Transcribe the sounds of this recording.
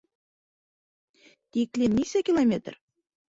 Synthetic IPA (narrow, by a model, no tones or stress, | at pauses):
t̪ʲiklʲemnʲisʲækʲilˠomʲet̪̆r